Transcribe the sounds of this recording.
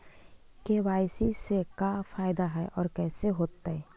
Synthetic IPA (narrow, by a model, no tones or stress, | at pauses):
kewaːjsisekafʰaːjd̪aɦɛʔɔːɾkɛːseɦoːt̪ːaɦɛː